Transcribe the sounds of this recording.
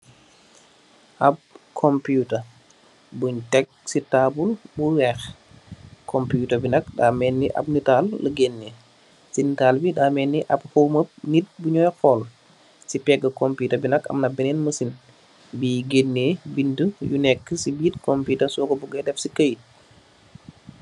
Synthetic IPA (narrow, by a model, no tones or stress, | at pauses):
ʔɐp̚kʰɔmpjutɐ | buɲtɛk̚sitaːbulbuwɛx | kʰɔmpjuːtɐbinɐk̚daːmɛːnːiʔɐ̰b̚nitaːlːɐɡenːe | sinitaːlbidaːmɛnːiʔɐp̚howməp̚nit̚buɲɔːjxɔːl | sipɛɡːəkɔmpuːtɐbinɐkɐ̰mnɐbɛnɛnməsin | biːɡenːeːbintəjunɛkːəsibiːt̚kɔmpuːtɐsɔːkɔbuɡɐdɛfsikəj̚